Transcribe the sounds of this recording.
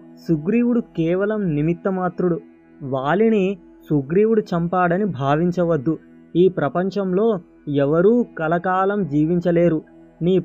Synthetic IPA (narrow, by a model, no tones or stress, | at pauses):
suɡɾiːʋuɽukɛːʋɐlɐmnimit̪ːɐmaːt̪ɾuɽu | ʋaːɭini | suɡɾiːʋuɽut͡ʃɐmpaːɽɐnibʱaːʋiɲt͡ʃɐʋɐd̪ːu | iːpɾɐpɐɲt͡ʃɐmlo̞ː | ɛʋɐɾuːkɐlɐkaːlɐmd͡ʒiːʋiɲt͡ʃɐle̞ːɾu | niː